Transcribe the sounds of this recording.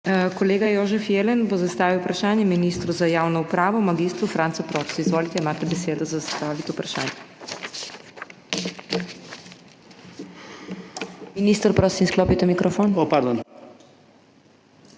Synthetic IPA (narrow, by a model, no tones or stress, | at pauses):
kɔleːɡajoːʒɛfjeːlɛnbozast̪aːʋiwupɾaʃaːnjɛminist̪ɾuzajaːwnɔupɾaːʋɔmaɡiːst̪ɾufɾaːnt̪sɔpɾɔːt̪sizʋoːlit̪ɛimaːt̪ɛbɛseːd̪ɔzazsst̪aːʋit̪ɛupɾaʃa̰ːnjɛ | miniːst̪əɾpɾoːsimsklɔːpit̪ɛmikɾɔfonopaɾd̪on